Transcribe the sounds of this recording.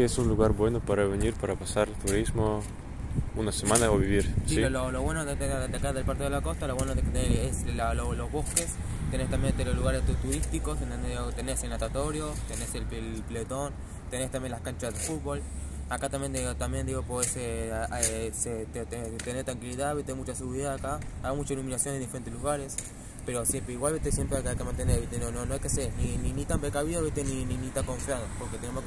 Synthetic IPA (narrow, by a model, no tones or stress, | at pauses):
esunluɣaɾbwe̞nopaɾaβeniɾpaɾapasaɾt̪uɾizmo | unasemanaoβiβiɾsiiololoβwe̞noðeed̪akaðelpaɾt̪iðelako̞st̪aloβwenoðeket̪eeslalolozβo̞skes | t̪enest̪ambjent̪elosluɣaɾest̪ut̪uɾist̪iko̞senond̪eiot̪eneselnat̪at̪o̞ɾjo̞t̪eneselpelplet̪o̞n | t̪e̞nest̪ambje̞nlahkant͡ʃazðefut̪̚βol | akat̪ambjenot̪ambjend̪iɣopoðeseeset̪et̪et̪eneɾt̪ɾaŋkiliðaβet̪emut͡ʃaseɣuβiɾiðaakaaβemut͡ʃailumĩnasjonend̪ifeɾent̪eluɣaɾe̞s | pe̞ɾo̞sjempɾeiɣwalβet̪esje̞mpɾeajkajkemãnt̪eneɾβit̪enononoajkeaseɾnininit̪ampɾekaβiðoβet̪enininit̪aŋko̞ɱfjaðopo̞ɾket̪enemo